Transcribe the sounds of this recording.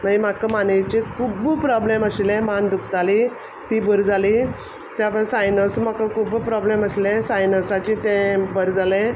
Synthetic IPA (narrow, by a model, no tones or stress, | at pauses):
məim̤akəmanejt͡ɕekʰubpɾɔbleməslẽmand̪ukt̪ali | t̪ibəɾd͡zali | t̪japəsajnəsmakəkubpɾɔbleməslɛ̃sajnəsat͡ɕit̪ẽbəɾd͡zalɛ̃